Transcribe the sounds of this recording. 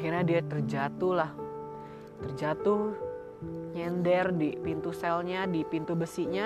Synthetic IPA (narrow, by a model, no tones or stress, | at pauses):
kirɲadiat̪ərd͡ʒat̪ulah | t̪ərd͡ʒat̪uh | ɲɛndɛrdipint̪usɛlɲadipint̪ubəsiʔɲa